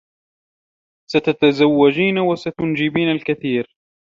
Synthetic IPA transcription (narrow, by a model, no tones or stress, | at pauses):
sat̪at̪azawːad͡ʒiːnawasat̪ʊnd͡ʒɪbiːnalkaθiːɾ